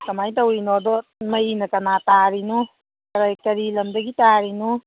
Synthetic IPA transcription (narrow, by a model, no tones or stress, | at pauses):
kɐmajtawinɔdɔməjnɐkɐnataɾinu | kɐɾajkɐɾilɐmdɐɡitaɾinu